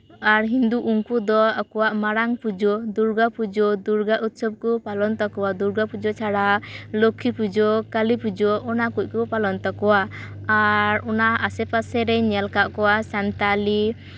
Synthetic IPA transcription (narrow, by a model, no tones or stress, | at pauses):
aɾɦind̪uʔuŋkud̪ɔakɔwaʔmaɾaŋpud͡ʒɔd̪uɾɡapud͡ʒɔd̪uɾɡaʔut̪̚sɔb̚kɔpalɔnt̪ɔkɔwad̪uɾɡapud͡ʒɔt͡ʃʰaɽalokʰːipud͡ʒɔkalipud͡ʒɔɔnakuc̚kupalɔnt̪ɔkɔwa | aɾɔnaasɛpasɛɾɛɲɛlkaʔkɔwasant̪ali